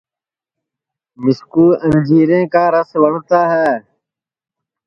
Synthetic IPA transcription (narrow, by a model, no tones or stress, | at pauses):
mɪskuːʔənd͡ʒiːɾẽːkaːɾəsʋəɳ̤t̪aːɦɛː